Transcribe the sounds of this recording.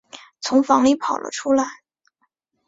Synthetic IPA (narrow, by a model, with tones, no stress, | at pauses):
t͡sʰʊ˧˥ŋfɑ˧˥ŋli˥˩pʰɑ˨˩ʊlʔə̰˦ʈ͡ʂʰu˥la˧˥˦ɪ